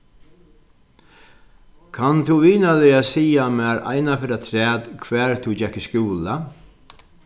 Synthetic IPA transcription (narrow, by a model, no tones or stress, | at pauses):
kʰant̪ʰuʋiːnalɪasiːamæːɾa̰ɪnafɪɾat̪ʰɾɛːt̪kʰʋæːɹt̪ʰud͡ʒɛkːɪskuːla